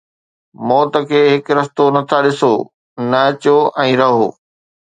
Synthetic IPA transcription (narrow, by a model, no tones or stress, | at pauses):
mɔːt̪ə̆kʰeːɦɪkɾɐst̪onɐt̪ʰaɗɪsoː | nɐɐt͡ɕoʔɛ̃ːɾɐɦo̰ː